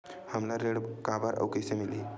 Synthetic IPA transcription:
həmlaɾeɽkabaɾʔə̰wkesemili

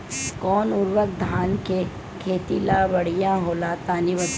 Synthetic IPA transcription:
kɔːnʊɾwək̚d̪ʱaːnke | kʰeːt̪ilabɐɽijãɦoːlaːt̪aːniʋət̪

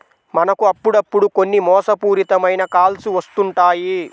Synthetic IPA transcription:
mɐnɐkuɐpːuɽɐpːuɽuko̞nːimɔːsɐpuːɾit̪ɐmɐjnɐkaːlsuʋɐst̪uɳʈaːji

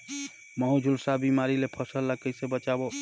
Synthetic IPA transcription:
məɦud͡ʒʱulsabimaɾilepʰəsəlːəkəjsebət͡ʃabo

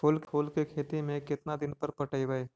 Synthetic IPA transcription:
pʰʊːlkʰoːlkekʰeːt̪imẽkɪt̪nad̪ɪnpɐɾpɐʈəiʋəe

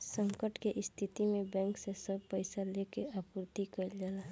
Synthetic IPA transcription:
sə̃ŋkəʈkeʔɪst̪ʰɪt̪imẽbɛ̃ːŋksesəb̚pəɪsalekeapɾt̪ikəɾd͡ʒala

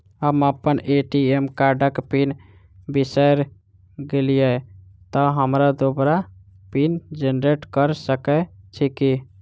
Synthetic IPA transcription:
əməpəneʈiemkaɾɖəkpin | bisəjɾ | ɡelijɛ | t̪ɔɦəmɾad̪obɾa | pind͡ʒenɾeʈkəɾsəkɛt͡ʃʰiki

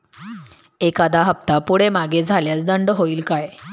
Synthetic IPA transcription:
ekad̪ʱaɦəp̚t̪apuɽemaɡed͡zʱaljat͡sd̪əɳɖəɦoiːlkaj

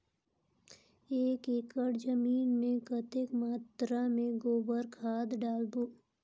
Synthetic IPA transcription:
eːkekəɽd͡ʒəmiːnmẽkət̪ekmaːt̪ɾamẽɡoːbəɾkʰaːd̪ɖaːlboː

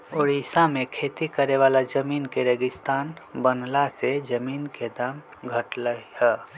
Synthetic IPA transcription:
oːɾisamẽkʰeːt̪ikəɾeʋaːlad͡ʒəmiːnkeɾeːɡɪst̪aːnbənlased͡ʒəmiːnked̪aːm | ɡʱəʈləihɛː

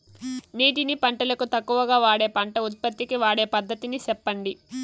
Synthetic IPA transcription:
niːʈ̬inipɐɳʈɐlɐkut̪ɐkːuʋɐɡaːʋaːɽe̞ːpɐɳʈɐut̪̚pɐt̪ːikiʋaːɽe̞ːpɐd̪ːɐt̪inisɛpːɐɳɖi

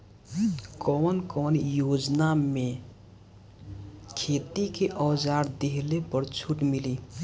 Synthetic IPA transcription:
kɔːnkɔːnjoːd͡ʒname | kʰeːt̪ikeʔɔːd͡ʒaːɾd̪eɦlepəɾt͡ʃʰuʈmiliː

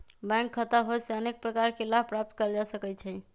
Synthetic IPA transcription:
bɛ̃ŋkʰːət̪əɦoseənek̚pɾəkaɾkelabʱpɾap̚t̪kəld͡ʒasəkɛt͡ʃʰɛ

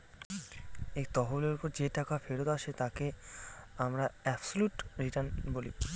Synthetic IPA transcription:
ekt̪ɔɦoleɾpoɾd͡ʑeʈakafʰeɾot̪aʃʰet̪ake | amɾaɛbsoluʈɾiʈəɾnbolḭ

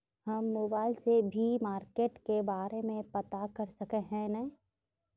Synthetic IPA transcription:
hɐmːoːbaːɪlsebʱimaːɾkeːʈkebaːɾemẽpɐt̪akɐɾsɐkeɦɛ̃nɛ̃

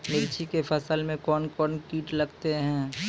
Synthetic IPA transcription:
mɪɾt͡ʃʰikefʰɐsəlmẽkɔːnkɔːnkiːʈlɐɡt̪eɦɛ̃ː

